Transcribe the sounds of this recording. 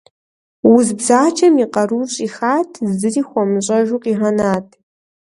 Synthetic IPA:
wʊzbzaːt͡ʃʰɐmiqɐɾuːɕʼiːxaːtʰzɨriːxʷɔmɕʼɐʒuːqiːʁɐnaːtʰʼ

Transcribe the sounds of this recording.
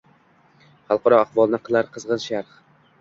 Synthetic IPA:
χɑlˠqʰɑɾɒaχvɒlˠnɪqʰɨlˠaɾqʰɨzʁɨnʃaɾχ

